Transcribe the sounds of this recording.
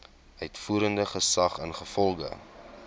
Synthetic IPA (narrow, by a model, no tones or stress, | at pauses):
œjtfuːɾəndəχəsɐχənχəfɔlˠɡə̰